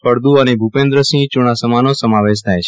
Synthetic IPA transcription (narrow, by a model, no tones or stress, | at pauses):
pəɾd̪uənebʱupẽnd̪ɾəsĩŋt͡ʃuɽ̃asəmanosəmaʋeʃ̬t̪ʰajt͡ʃʰ